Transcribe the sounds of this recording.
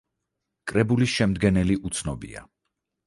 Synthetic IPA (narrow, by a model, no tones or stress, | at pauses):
kʼɾɛbulisʃɛmd̪ɡɛnɛliʔut̪sʰnɔbḭa̰